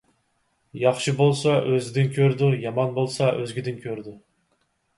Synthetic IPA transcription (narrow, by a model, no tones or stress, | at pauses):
jɑχʃibolˠsɑʔøzɪd̪ɪnkʲʰøɾd̪ujɑmɑnbolˠsɑʔøzɡʲid̪ɪnkʲʰøɾd̪u